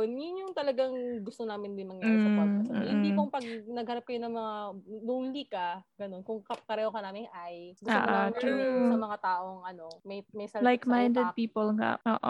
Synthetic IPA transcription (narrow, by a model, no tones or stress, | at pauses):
njʊnjʊŋt̪ɐlɐɡaŋɡʊst̪onaːmɪnd̪ɪnmɐɡjaːɾsɐahɪniːpoŋpɐɡ̚nɐɡ̚hɐɾɐp̚kɐjʊnɐŋmɐŋaluŋlikɐɡɐno̞nkʊŋkɐkɐɾɛokɐnaːmɪŋʔajɡʊta̰ːʔnaamkɐnsɐmɐŋat̪aːʔo̞ŋʔɐno̞mɐjmɐjsɐlajkmaj̃nd̪ɛd̪̚piːpolŋa̰ʔo̰ːʔo̰